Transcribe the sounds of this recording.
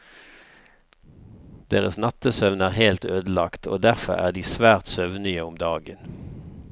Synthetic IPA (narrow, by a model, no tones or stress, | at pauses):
d̪̥eːʁəsnɑt̪əsœʋnæːʁhelt̪øːd̪əl̩ɑkt̪ʰo̰ːd̪æʁfɔ̰ʁæ̰ːʁd̪iːsʋæːʁt̪sœʋnɪəʊmd̪ɑːɡən